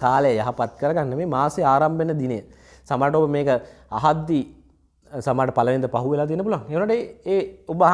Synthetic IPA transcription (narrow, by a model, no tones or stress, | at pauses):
kaːləjəjaɦapat̪kəɾəɡanːəmeːmaːseaːɾambenəd̪inəjə | samaːɾəʈəobəmeːkəaɦad̪ːi | samaːʈəpaləʋend̪əpaɦuʋelaːt̪ijənːəpuluʋaŋeːʋnaːʈəeːubəɦ